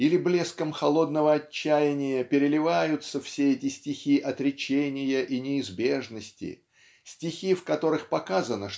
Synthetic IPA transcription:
ilʲɪblʲe̞skəmxɐlˠo̞d̪nəvəɐt͡ɕt͡ɕːæjɪnʲɪjəpʲɪɾʲɪlʲɪvajʊt̪səfsʲeɛtʲɪsʲtʲɪxʲiʔɐt̪ɾʲɪt͡ɕenʲɪjəʔinʲɪːzbʲe̞ʐnəsʲtʲɪ̰ | sʲtʲɪxʲifkɐt̪o̞ɾɨxpɐkazənəʂ

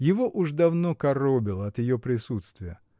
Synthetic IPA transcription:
jɪvoʔuʐd̪ɐvnokɐrobʲɪlˠəɐt̪jɪjopɾʲɪsut̪st̪vʲɪjə

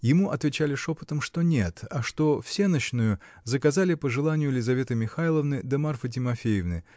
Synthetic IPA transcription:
jɪmuʔɐt̪vʲɪt͡ɕalʲɪʂo̞pɨ̥t̪əmʂt̪o̞nʲe̞t̪ɐʂt̪o̞fsʲe̞nəɕnʊjʊ | zəkɐzalʲɪpəʐɨlˠanʲɪjʊlʲɪzɐvʲe̞t̪ɨmʲɪxajlˠəvnɨd̪əmarfət̬ʲɪmɐfʲejɪvnɨ

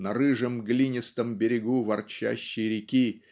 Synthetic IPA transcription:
nɐɾɨʐəmɡlʲinʲɪst̪əmbʲɪɾʲɪɡuvɐrt͡ɕæ̰ɕːɪjɾʲɪkʲi

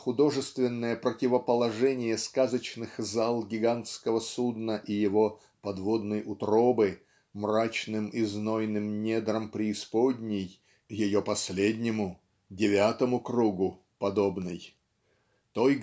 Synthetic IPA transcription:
xʊd̪o̞ʐɨst̪vʲɪnːəjəpɾətʲɪvəpəlˠɐʐɛnʲɪjəskazət͡ɕnɨxzalˠɡʲɪɡant̪skəvəsud̪nəʔijɪvo̞ | pɐd̪vo̞d̪nəjʔʊt̪ɾo̞bɨ | mrat͡ɕnɨmɪznojnɨmnʲed̪ɾəmpɾʲɪːspodʲnʲɪj | jɪjo̞pɐsʲlʲedʲnʲɪmʊ | dʲɪvʲat̪əmʊkruɡʊ | pɐd̪o̞bnɨj | t̪oj

